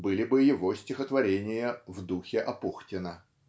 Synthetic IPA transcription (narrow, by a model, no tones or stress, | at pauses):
bɨlʲɪbɨjɪvo̞sʲtʲɪxət̪vɐɾʲenʲɪjəvd̪uxʲɪʔɐpuxtʲɪnə